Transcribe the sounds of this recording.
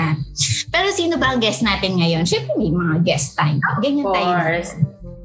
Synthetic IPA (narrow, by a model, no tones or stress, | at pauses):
apɛːɾosiːnobɐʔɐŋɡɛsnaːt̪ɪnŋɐjonʃɛmpɛmimɐŋaɡɛst̪ãjmʔɐɡɐɲɐnaːjɛs